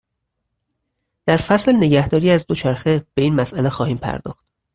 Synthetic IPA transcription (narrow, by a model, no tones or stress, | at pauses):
d̪̥æɾfæslne̞ɡæhd̪ɒːɾiːæzd̪o̞t͡ʃʰæɾxeb̥e̞iːnmæsʔælexɒːhiːmpʰæ̰ɾd̪ɒ̰ːxt̪̚